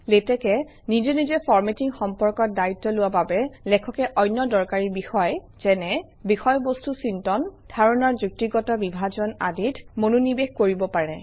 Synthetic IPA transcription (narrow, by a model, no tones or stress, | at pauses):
letɛkɛ | nizenizɛpɔɹmetiŋxɔmpɔɹkɔt̚daitːɔlʊwababɛlɛkʰɔkɛʔɔjnjɔdɔɹkaɹiɹbixɔj | z̥ɛnɛ | bixɔjbɔstusintɔnd̥ʱaɹɔnɔɹzuk̚tiɡɔtɔbibʱazɔna̰ditʰmonunibexkoɹibɔpaɹɛ